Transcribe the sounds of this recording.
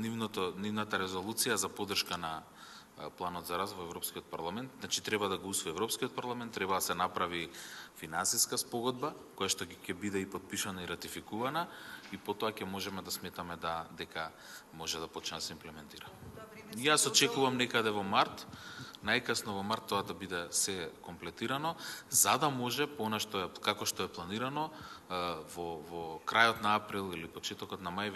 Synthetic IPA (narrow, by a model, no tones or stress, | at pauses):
nivnɔt̪ɔnivnat̪aɾɛzɔlˠut̪sijazapɔd̪r̩ʃkana | plˠanɔt̪zaɾasvɔɛvɾɔpskiɔt̪̚paɾlˠamɛnt̪znat͡ʃit̪ɾɛbad̪aɡousvɔiɛvɾɔpskiɔt̪̚paɾlˠamɛnt̪ːɾɛbad̪asɛnapɾavifinansiskaspɔɡɔd̪bakojaʃt̪ɔcɛbid̪ɛipɔt̪̚piʃanaiɾat̪ifikuvanaipɔt̪ɔakɛmɔʒɛmɛd̪asmɛt̪amɛd̪ad̪ɛka | mɔʒɛd̪apɔt͡ʃnɛsɛimplɛmɛnt̪iɾamjasɔt͡ʃɛkuvamnɛkad̪ɛvɔmaɾt̪najkəsnɔvɔmaɾt̪ːɔad̪abid̪ɛsɛkɔmplɛt̪iɾanɔzad̪amɔʒɛpɔɔnaʃt̪ɔɛkakɔʃt̪ɔɛplˠaniɾanɔ | vɔvɔkɾʔajɔt̪naapɾilˠilipɔt͡ʃɛt̪ɔkɔt̪namajv